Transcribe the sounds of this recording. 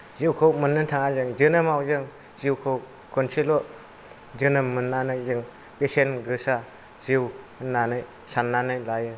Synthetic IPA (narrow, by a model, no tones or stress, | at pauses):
ziwkʰɯwmɯnːɯntʰaŋazɯŋzɯnɯmawzɯŋ | ziwkʰɯw | kɔnsʰilɔ | zɯnɯmɯnːanɯjzɯŋ | pesenɡɯsa | ziw | ɯnːanɯj | sanːanɯjlajɯ